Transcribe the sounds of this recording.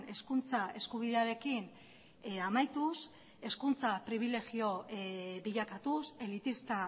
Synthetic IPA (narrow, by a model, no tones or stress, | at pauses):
ne̞skunt͡sae̞skuβ̞iðe̞aɾe̞kin | amajt̪us | e̞skunt͡sapɾiβ̞ile̞ɣio̞βiʎakat̪use̞lit̪ist̪a